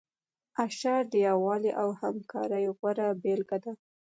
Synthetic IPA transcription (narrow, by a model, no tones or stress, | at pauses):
aʃɑɖjɑwɑliʔawhamkʰɑ̰ɾəjoɣwaɾabelɡad̪a